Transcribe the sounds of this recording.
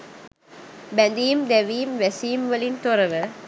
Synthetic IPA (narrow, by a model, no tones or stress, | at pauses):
bɛ̃nd̪iːmd̪eʋiːmʋɛsiːmʋəlĩnt̪oɾəʋə